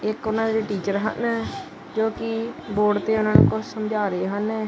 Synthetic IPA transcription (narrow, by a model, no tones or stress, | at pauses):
ɪkʊnãːd̪eɾeːʈiːt͡ʃəɾɦə̰nː | d͡ʒoːkɪboːɖt̪eːʊnãːnṵːkʊssəmd͡ʒaːɾeːɦənɛː